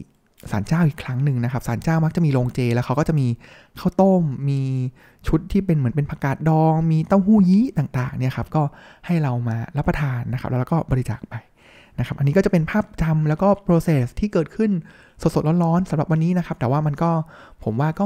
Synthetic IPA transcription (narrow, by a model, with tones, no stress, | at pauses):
sa̰ː˩˦nt͡ɕaː˥˩wʔiː˨˩kʰɾa˦˥ŋnɯ˨˧ŋna˦kʰa˦˥p̚saː˩˦nt͡ɕaː˥˩wma˦˥k̚t͡ɕa˨˩ʔmiː˧loː˧ŋt͡ɕeː˧lɛː˦˥wkʰa˦˥wkɔː˥˩t͡ɕa˨˩ʔmiː˧ | kʰa˥˩wt̪o˥˩mːiː˧ | t͡ɕʰu˦˥t̪ʰːiː˥˩pe˧nmɯ˩˦ənpe˧npʰa˧kaː˨˩t̪̚dɔː˧ŋmiː˧t̪ɔ˥˩ŋhuː˥˩jiː˦˥t̪aː˨˩ŋt̪aː˨˩ŋni˥˩ɐkʰa˦˥p̚kɔː˥˩ | ha˥˩jɾa˧wmaː˧ɾa˦˥pːa˧t̪ʰaː˧nːa˦˥kʰa˦˥plːɾːkɔː˥˩bɔː˧ɾi˦t͡ɕa̰ː˨˩k̚pa˧j | na˦˥kʰa˦˥p̚ʔa˧nːiː˦kɔ˥˩t͡ɕa˨˩pe˧npʰaː˥˩p̚t͡ɕa˧mlɛː˦˥wkɔː˥˩pɾoː˧seː˨˩st̪ʰiː˥˩kɤː˨˩t̪̚kʰɯ˥˩n | so˨˩so˨˩t̪̚o˦˥n̚ɾɔː˦˥nsa˨˩˦mɾa˨˩p̚wa˧nːiː˦˥na˦˥kʰa˦˥p̚t̪ɛː˨˩waː˥˩ma˧nkɔː˥˩pʰo˩˦mwaː˥˩kɔː˥˩